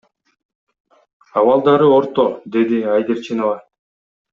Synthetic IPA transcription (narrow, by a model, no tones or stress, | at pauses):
ɑwɑlˠd̪ɑɾɯoɾt̪od̪e̞d̪iɑjd̪eɾt͡ʃʰinovɑ